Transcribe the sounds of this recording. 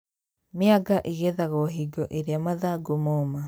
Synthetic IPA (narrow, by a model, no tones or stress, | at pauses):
mɪaɡaʔiɣɛðaɣɔɦiɡɔʔeɾeamaðaɡomɔma